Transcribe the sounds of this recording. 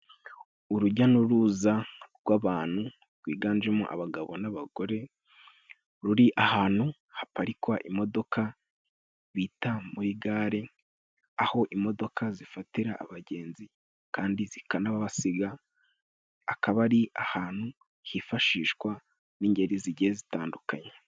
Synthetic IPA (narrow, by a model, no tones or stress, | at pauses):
uɾuɟanuɾuzaɾɡwaːβaːn̥hu | ɾɡwḭːɡaːnd͡ʒemuʔa̰βaɡaβo̞̰naβaɡ̥o̞ɾe̞ | ɾuɾiʔahaːn̥hu | hapaɾikwaʔimo̞do̞kʰa | βiːtamuɾiɡaːɾe | aho̞ʔimo̞do̞kʰazifatiɾaːβaɟe̞ːnzi | kaːndizikanaβaβasiɡa | akaβaɾiʔahaːn̥hu | hifaʃiːʃkwa | niːɲɟe̞ɾiziɟihezitaːndukaɲe